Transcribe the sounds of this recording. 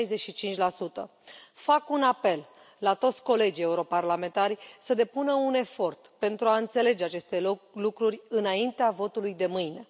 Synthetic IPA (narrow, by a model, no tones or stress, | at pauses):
jzeʃit͡ʃint͡ʃʲlasut̪ə̰fakunape̞lː | at̪o̞t̪sʲko̞le̞d͡ʒie̞uɾo̞parlame̞nt̪aɾʲsəd̪e̞punəune̞fo̞rt̪pe̞nt̪ɾuaɨnt̪se̞le̞d͡ʒe̞at͡ʃe̞st̪elukɾurʲɨnaint̪eavo̞t̪ulujd̪e̞mɨjne̞